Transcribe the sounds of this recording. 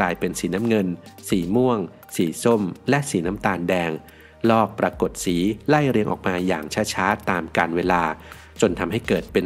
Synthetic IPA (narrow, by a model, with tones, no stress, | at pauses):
laː˧jpe˧nsiː˩˦na˦˥mŋɤ˧nsiː˩˦mu˥˩əŋ | siː˩˦so˥˩mlɛ˦˥ʔsiː˩˦naː˦˥mt̪aː˧ndɛː˧ŋ | lɔː˥˩k̚pɾaː˧ko˨˩t̪̚siː˩˦la˥˩jɾi˧əŋʔɔ̰ː˨˩k̚maː˧ja̰ː˨˩ŋt͡ɕʰaː˦˥t͡ɕʰaː˦˥t̪ːaː˧mkaː˧nweː˧laː˧ | t͡ɕo˧nt̪ʰa˧mɦa˥˩jkɤː˨˩t̪̚pe˧n